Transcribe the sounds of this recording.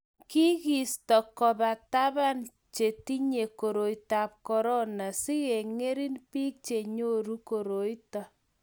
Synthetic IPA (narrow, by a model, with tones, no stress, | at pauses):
ki˦ɣi˨stɔ˨kɔba˨ta˦βa˦n | t͡ʃe˨ti˦ɲe˨ko˨ɾo˨jta˨p̚kɔ˨ɾɔ˦na˨si˦ɣe˨ŋe˦ɾi˦npiː˦k̚t͡ʃe˨ɲo˦ɾu˦ko˨ɾo˨jta˨